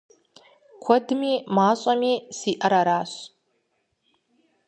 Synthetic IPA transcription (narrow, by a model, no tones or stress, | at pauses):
kʷʰɔdmiːmaːɕʼamiːsiːʔɐɾaɾaːɕ